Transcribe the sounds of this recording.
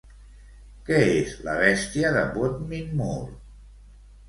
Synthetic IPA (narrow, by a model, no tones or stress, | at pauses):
kɛezlə̰βɛst̪iəðəβot̪minmuɾ